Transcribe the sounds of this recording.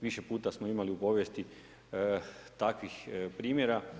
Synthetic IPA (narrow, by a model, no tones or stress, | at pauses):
ʋiʃe̞puːt̪asmoimaliupo̞ːʋjest̪i | t̪akʋixpɾiːmjeɾa